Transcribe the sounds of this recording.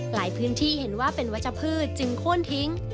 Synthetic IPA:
laː˩˦jpʰɯː˨˦˥nt̪ʰiː˥˩he˨˩˦nwaː˥˩pe˨˩nwa˦˥t͡ɕa˧˩pʰɯː˥˩t̪̚t͡ɕɯ˧ŋkʰo˥˩ənt̪ʰi˦˥ŋ

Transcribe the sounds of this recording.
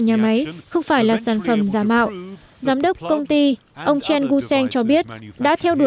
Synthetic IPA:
ɲaː˨˩ma˨˦jxə˧wŋ͡mfaː˧˩jlaː˨˩saː˧˩nfə˧˩mzaː˨˦ma̰ː˧˨wʔ | zaː˨˦mɗə˦˥wk͡p̚kə˧wŋ͡mt̪i˧ | ʔə˧wŋ͡mt͡ɕɛ˧nɣu˧sɛ˧nt͡ɕɔ˧ɓi˦˥ət̚ɗa̰ː˧˥t̪ʰɛ˧wɗu˧˩

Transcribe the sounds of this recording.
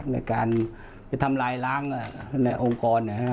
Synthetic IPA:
k̚na̰˧˩jkaː˧n | ɛ˧˩t̪ʰa˧mlaː˧jlaː˦˥ŋa˨˩na˧jʔo˧ŋkɔː˧nːa˧˩˨

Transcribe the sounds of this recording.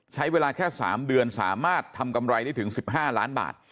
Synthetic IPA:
t͡ɕʰa˦˥jweː˧laː˧kʰɛː˥˩sa̰ː˩˦mdɯ˧ənsa̰ː˩˦maː˥˩t̪ʰːa˧mka˧mɾa˧jda˥˩jt̪ʰɯ˩˦ŋsi˨˩p̚ɦaː˥˩laː˦˥nba̰ː˨˩t̪̚

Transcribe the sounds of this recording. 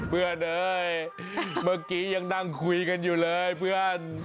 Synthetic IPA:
pʰɯ˧˩ənʔɤː˧j | ma˧˩kiː˧˦ja˧ŋna˧˩ŋkʰu˧jka˧njuː˨˩lɤː˧jpʰɯ˧əən

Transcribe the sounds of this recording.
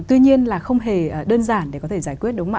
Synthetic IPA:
t̪wi˧ɲi˧ənlaː˨˩xə˧wŋ͡mɦe˨˩˨ɗəː˧nzaː˧˩nɗe˧˩kɔ˨˦t̪ʰe˧˩zaː˧˩jkwi˦˥t̚ɗʊ˨˦ŋ͡mma̰˧

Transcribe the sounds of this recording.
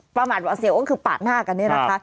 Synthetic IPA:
pɾa˧maː˨˩waː˧si˧wkɔ˥˩kʰɯː˧pa̰ː˨˩t̪̚naː˥˩ka˧nːi˦˥˩na˦kʰa˦˥

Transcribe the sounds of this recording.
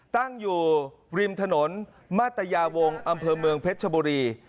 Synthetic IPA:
t̪a˥˩ŋjuː˨˩ | ɾi˧mt̪ʰa˧no˩˦n | maː˥˩t̪ːa˧jaː˧wo˧ŋʔa˧mpʰɤː˧mɯ˧əŋpʰe˦˥t̪̚t͡ɕʰa˧buː˧ɾiː˧

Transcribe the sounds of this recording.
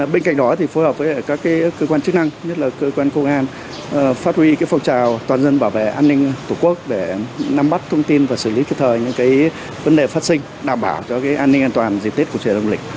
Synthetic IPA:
ɓe˧nka˧˩jŋ̟̚ɗɔ˨˦t̪ʰi˨˩fo˨˦jhə˨˩p̚vəː˨˦˧kaː˦˥kːaː˨˦jkːəː˧kwaː˧nt͡ɕɨ˦˥k̚na˧ŋɲə˦˥t̚laː˨˩kəː˧kwaː˧nkə˧wŋ͡mʔaː˧n | faː˦˥t̚hwi˧kaː˨˦jfa˧wŋ͡mt͡ɕaː˨˩wt̪waː˨˩nzə˧nɓaː˧˩wvḛ˧˨ʔaː˧nːï˧ŋ̟t̪ʰu˧˩ku˦˥ək̚ɗe˧˩na˧mɓa˦˥t̚t̪ʰə˧wŋ͡mt̪i˧nvaː˨˩sɨ˧˩li˨˦i˧˩p̚t̪ʰəː˨˩jɲɨ̰˧˥kaː˨˦j | və˨˦nɗe˨˩faː˦˥t̚sï˧ŋ̟ | ɗaː˧˩mɓaː˧˩wt͡ɕɔ˧kaː˨˦jʔaː˧nːï˧ŋʔaː˧nt̪waː˨˩nzi˨˩t̪i˦˥t̚ku˧˩t͡ɕḭ˨˧˩lə˧ŋ͡mlï˨˩k̟̚

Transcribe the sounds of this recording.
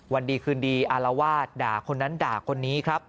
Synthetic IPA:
wa˧ndiː˧kʰɯː˧ndiː˧ʔa˧la˧waː˥˩t̪̚daː˨˩kʰo˧nːa˦˥ndaː˨˩kʰo˧nːiː˦˥kʰɾa˦˥p̚

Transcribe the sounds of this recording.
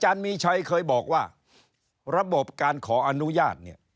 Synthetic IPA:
t͡ɕaː˧nmiː˧t͡ɕʰa˧jkʰɤː˧jbɔː˨˩k̚waː˥˩ | ɾa˧bo˨˩p̚kaː˧nkʰɔː˩˦ʔa˧nu˦˥jaː˥˩t̪̚ni˥˩ɐ

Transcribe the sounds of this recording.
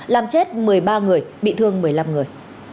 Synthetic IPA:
laː˨˩mt͡ɕe˦˥t̚mɨ˨˩əjɓaː˧ŋɨ˨˩əjɓḭ˧˨t̪ʰɨ˧əŋmɨ˨˩əjla˧mŋɨ˨˩əj

